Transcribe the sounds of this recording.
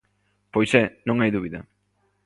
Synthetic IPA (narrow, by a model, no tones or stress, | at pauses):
pojsenoŋajðuβiðḛ